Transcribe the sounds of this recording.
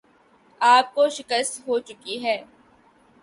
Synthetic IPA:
aːp̚koʃɪkəst̪ɦoːt͡ʃʊkiɦɛː

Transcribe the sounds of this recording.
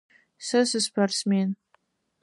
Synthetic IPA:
sɨsɨspʰarsmen

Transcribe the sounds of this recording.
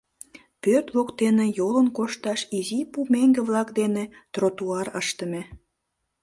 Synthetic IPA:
pørt̪βokt̪enejolənkoʃt̪ɑʃizipumeŋɡeβlɑkd̪enet̪rot̪uɑɾəʃt̪əme

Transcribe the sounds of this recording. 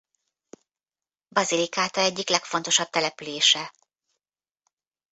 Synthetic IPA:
bɒzilikaːt̪ɒɛɟːiklɛkfo̞n̪t̪o̞ʃɒb̚t̪ɛlɛpyleːʃɛ

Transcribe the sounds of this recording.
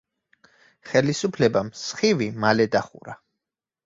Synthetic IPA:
χɛlisupʰlɛbamsχivimalɛd̪aχṵɾa

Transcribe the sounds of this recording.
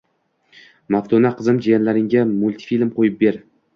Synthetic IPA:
maft̪ʰonaqʰɨzɪmd͡ʒajanlaɾɪŋɡʲamʊlʲt̪ʰi̥filmqʰojɪp̚be̞ɾ

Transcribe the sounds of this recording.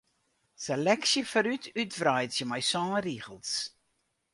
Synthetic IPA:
selɛksəfəɾytʰytvrajtsjəmajsɑ̃ːriɣəlˠs

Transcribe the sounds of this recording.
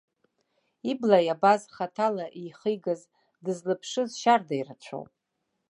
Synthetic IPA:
iblajabazχatʰalaʔiχəjɡaz | dɨzlɨpʰʂɨzʃardajrat͡ɕʷʰo̰wpʼ

